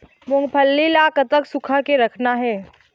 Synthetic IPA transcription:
mʊŋɡpʰəlːilaːkət̪əksʊkʰakeɾɐkʰnaɦɛː

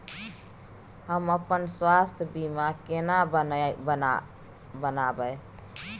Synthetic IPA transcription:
həməpənswast̪ʰbimakena | bənabəj

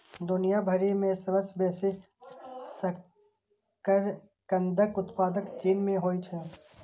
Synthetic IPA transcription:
d̪ʊnijabʱəɾimẽsəbəsbɛːse | sə | kəɾ | kə̃nd̪ʱəkʊt̪paːd̪əkt͡ʃiːmːẽɦoːit͡ʃʰɛ

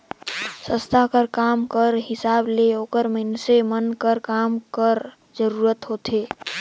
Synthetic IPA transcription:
sə̃st̪ʰakəɾkamkəɾɦɪsableoːkəɾmənsemənkəɾkamkəɾ | d͡ʒəɾuɾət̪ɦot̪ʰe

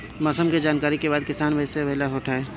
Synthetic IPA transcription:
mɔsəmked͡ʒaːnkaːɾikebaːd̪̚kɪsaːnʋɐseʋɐɦlaɦoːʈaeː

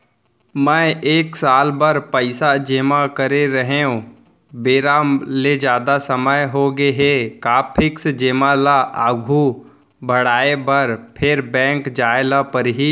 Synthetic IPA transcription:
mɛ̃ːeːksaːlbəɾpəɪsad͡ʒeːmakəɾeɾəɦeũ | beːɾaːmled͡ʒjaːd̪asəməjɦoɡeɦekaːpʰɪksd͡ʒeːmalaʔaːɡʱu | bʱəɽaːebəɾpʰɪɾbɛ̃ːŋkd͡ʒaːelapəɾɦiː

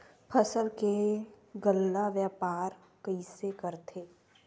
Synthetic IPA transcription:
pʰəsəlke | ɡəlːaʋjapaːɾ | kəisekəɾt̪ʰeː

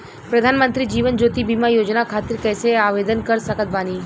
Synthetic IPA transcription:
pɾəd̪ʱaːnmənt̪ɾid͡ʒiːʋənd͡ʒoːt̪ibimajoːd͡ʒnakʰat̪iɾkɛːseaʋed̪ənkəɾsəkʰət̪̚baːniː

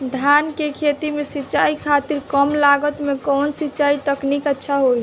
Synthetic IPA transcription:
d̪ʱankekʰet̪imesitːt͡ʃaikʰat̪iɾkəmlaɡət̪mekɔnsitːt͡ʃait̪əknikətːʃʰaɦoj

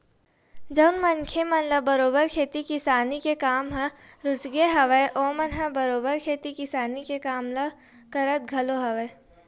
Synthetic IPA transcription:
d͡ʒɐʊnmɐnkʰemɐnləbɐɾoːbəɾkʰeːt̪ikɪsaːnikekaːmɦɐɾʊt͡ʃɡeɦɐʋəeʔoːmɐnɦɐbɐɾoːbəɾkʰeːt̪ikɪsaːnikekaːmlɐ | kɐɾət̪̚ɡʱɐloɦɐʋə

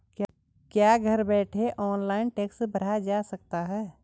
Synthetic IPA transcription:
k | kjaːɡʱəɾbɛːʈʰeʔɔːnlaːɪnʈeːksbəɽ̤ad͡ʒasək̚t̪aɦɛː

